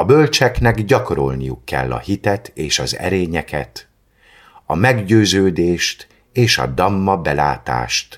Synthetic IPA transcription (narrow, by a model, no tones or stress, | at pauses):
ɒbølt͡ʃɛknɛɡɟɒkoɾo̞̰lnijukːɛ̰lːɒ̰hit̪ɛt̪eːʃɒ̰zɛ̰ɾeːɲɛkɛ̰t̪ | ɒmɛɡɟøːzøːd̪eːʃt̪ | eːʃɒ̰d̪ɒmːɒbɛla̰ːt̪a̰ːʃt̪